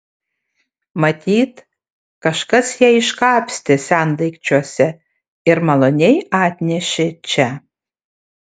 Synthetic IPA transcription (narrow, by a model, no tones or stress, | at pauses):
mɐt̪ʲiːt̪ | kɐʃkɐsjæɪʃkɑːpʲsʲt̪ʲɪsʲænd̪ɐɪkt͡ʃʲuɔsʲɛ | ɪɾmɐlˠonʲejɑːt̪ʲnʲɛʃʲɪt͡ʃʲɛ